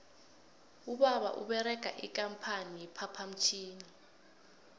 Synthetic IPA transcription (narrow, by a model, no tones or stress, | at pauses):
uɓaɓa̰ʔṵɓɛɾɛɡ̥ʱa̰ʔik̬ʼampʰanijɛpʰapʰam̩t͡ʃʰiːni